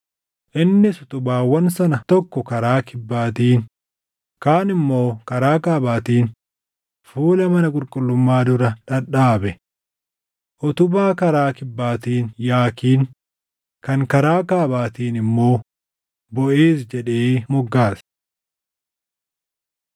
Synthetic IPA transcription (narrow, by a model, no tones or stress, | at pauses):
ʔɪnːɪsʊ̥t̪ʊbaːwɐnsɐnɐt̪ɔkːɔkɐɾaːkɪbːaːt̪iːn | kaːnɪmːo̞ːkɐɾaːkaːbaːt̪iːn | fuːlɐmɐnɐkʼʊɾkʼʊlːʊmːaːd̪ʊɾɐᶑɐᶑaːbɛ | ʔɔt̪ʊbaːkɐɾaːkɪbːaːt̪iːnjaːkiːn | kɐŋkɐɾaːkaːbaːt̪iːnɪmːo̞ː | bɔʔeːsd͡ʒɛᶑeːmɔɡːaːs